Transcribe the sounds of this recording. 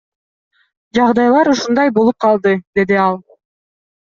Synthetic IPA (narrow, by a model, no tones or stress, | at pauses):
d͡ʒɑʁd̪ɑjlˠɑɾuʃund̪ɑjbolˠup̚qʰɑlˠd̪ɯd̪e̞d̪iɑlˠ